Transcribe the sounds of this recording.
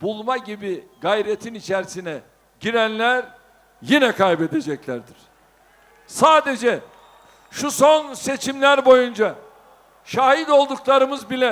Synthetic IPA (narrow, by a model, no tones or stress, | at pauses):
b̥ulˠmaɟibiɡajɾet̪ʰinit͡ʃʰæɾsinɛ | ɟiɾænlʲæɾ | jinɛkʰajbe̞d̪e̞d͡ʒɛclʲæɾd̪iɾ̥ | saːd̪e̞d͡ʒɛ | ʃuso̞nse̞t͡ʃʰimlʲæɾbo̞jund͡ʒa | ʃaːɦid̪o̞lˠd̪uklˠaɾɯmɯzbilʲɛ